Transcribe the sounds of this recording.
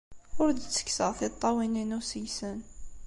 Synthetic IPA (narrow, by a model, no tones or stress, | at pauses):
ʊɾd̪ət͡sːə̥kːsəʁθit̪ˤːɑwininusəjsən